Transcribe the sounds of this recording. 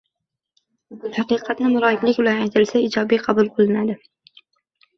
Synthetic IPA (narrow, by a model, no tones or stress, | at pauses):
hɑqɨqʰɑt̪nmʊɾɒɪplɪkʲbʊlanajt̪ʰɪlsaɪd͡ʒɒbijqʰɑbʊlˠqɨlˠɪnad̪ɪ